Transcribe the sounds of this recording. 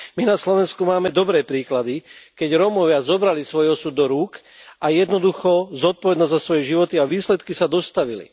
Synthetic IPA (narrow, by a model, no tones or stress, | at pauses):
minaslɔʋɛnskumaːmɛd̪ɔbɾɛːpɾiːklad̪ikɛɟɾɔmɔʋɪazɔbɾalisʋɔjɔsuːd̪ːɔɾuːk | ʔajɛd̪nɔd̪uxɔzɔt̪̚pɔʋɛd̪nɔzzasʋɔjɛʒiʋɔt̪iaʋiːslɛt̪kisad̪ɔst̪aʋilḭ